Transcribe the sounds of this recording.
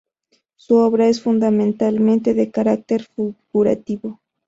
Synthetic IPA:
suoβɾaes̬fund̪ament̪alme̞nt̪eðekaɾak̚t̪eɾfiɡɡuɾa̰t̪ibo

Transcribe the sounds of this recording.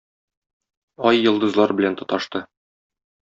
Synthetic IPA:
ɒjːŏlˠd̪ɤ̆zlˠɑɾbɘ̆lænt̪ɒ̆t̪ɑʃt̪ɤ

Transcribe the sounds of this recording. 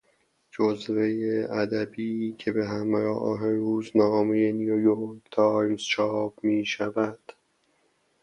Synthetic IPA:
d͡ʒozve̞jeʔæd̪æbiːcʰe̞beɦæmɾɒ̰ːʔɦeɾuːznɒːmejenijojoɾkt̪ʰɒːjzt͡ʃʰɒːbmiːʃævæd̪̥

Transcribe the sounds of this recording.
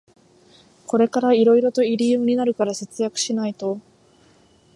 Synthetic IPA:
ko̞ɾe̞kaɾaiɾo̞iɾo̞t̪o̞iɾʲijɯ̟ɲ̟inaɾɯ̟kaɾase̞t͡sɨjakɯ̟̥ɕinait̪o̞

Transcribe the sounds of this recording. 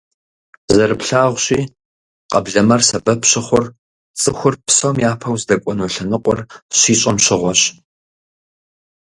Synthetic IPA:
zɐrɨpɬaːʁʷɕiː | qɐbɮɐmɐrsɐbɐpɕɪχʷʊr | t͡sʼɨxʷʊrpsɐwmjaːpʰɐwzdɐkʷʼɔnoɬɐnɨqʷɔrɕiːɕʼɐmɕɪʁʷɔɕ

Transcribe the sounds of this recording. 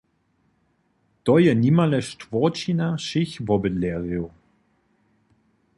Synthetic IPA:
tɔjɛnimalɛʃtv̥ɔt͡ʃinaʃɪçvɔbəleʁio

